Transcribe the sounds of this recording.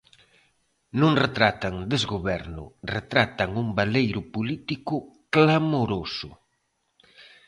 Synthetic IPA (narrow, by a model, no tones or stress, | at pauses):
nũŋret̪ɾat̪aŋd̪ezɣoβɛɾnʊ̰ret̪ɾat̪aŋuŋbalejɾʊpolit̪ikʊklamoɾosʊ